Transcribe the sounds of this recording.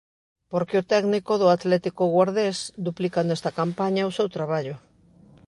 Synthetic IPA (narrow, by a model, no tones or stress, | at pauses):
poɾkɪot̪ɛɡnikoðʊat̪lɛt̪ikoɣwaɾðesd̪uplikanɛst̪ɐkampaɲaosewt̪ɾaβ̞aʎʊ